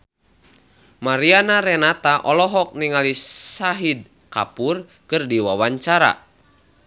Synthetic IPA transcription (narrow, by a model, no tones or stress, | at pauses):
maɾianaɾɛnat̪aʔɔlɔɦɔk̚niŋalisaɦid̚ | ka̰pur | kɨrdiwawaɲt͡ʃaɾa̰